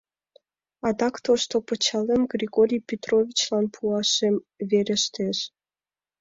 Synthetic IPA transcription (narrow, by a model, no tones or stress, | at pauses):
ɑd̪ɑkt̪oʃt̪opət͡ɕɑlemɡrʲiɣoɾʲijpʲet̪rovʲit͡ɕlɑnpʰuɑʃemβeɾʲĕʃt̪eʃ